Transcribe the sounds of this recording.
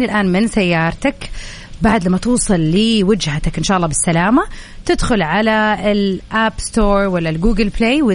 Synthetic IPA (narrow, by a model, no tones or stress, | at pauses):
nilʔaːnmɪnsajːɑːɾˤt̪ak | baʕd̪lamːat̪uːsˤɨlːɪwɪd͡ʒhat̪akʔɪnʃaːʔɑlˤːɑːbɪsːalaːmat̪ɪd̪xʊlʕalaɪlʔabst̪oːɾˤwalːalɡuːɡɪlpleːwɪ